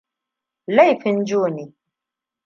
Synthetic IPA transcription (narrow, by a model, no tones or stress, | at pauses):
lajfɪnd͡ʒuːni